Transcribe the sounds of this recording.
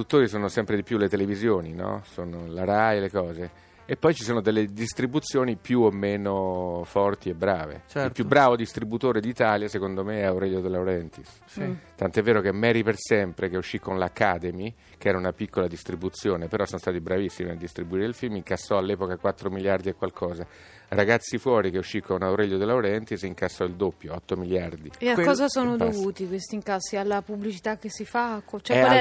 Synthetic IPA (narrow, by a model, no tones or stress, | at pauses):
d̪ut̪ːoːɾis̬oːnosɛmpɾed̪ipjulːet̪elevizjoːninɔ̰soːnolaɾajlekɔːze | epːɔjt͡ʃisoːnod̪elːed̪ist̪ɾibut̪sːjoːnipjuomːeːnofɔrt̪iebːɾaːvḛt͡ʃɛiltpjubːɾaːvod̪ist̪ɾibut̪oːɾed̪iːt̪aːljasekond̪omeɛawɾɛʎːod̪elːawɾɛnt̪is | t̪ant̪oɛvːeːɾokemːɛːɾipersɛmpɾekeuʃːikːonlakːaːd̪emi | k̟ɛːɾaunapikːolad̪ist̪ɾibut̪sjoːnepeɾɔsonst̪aːt̪ibɾavisːimiad̪ist̪ɾibuiːɾeilfilmiŋkasːɔalːɛːpokakwat̪ːɾomiljard̪iekːwalkʰɔːza | raɡat̪sːifwɔːɾikeuʃːikʰːonauɾɛʎːod̪elːawɾɛnt̪isiŋkasːɔild̪opːjoɔt̪ːomiljard̪ieakːɔːzasoːnod̪ovuːt̪ikwest̪iŋkasːialːapublit͡ʃit̪akːesifakːot͡ʃɛɛa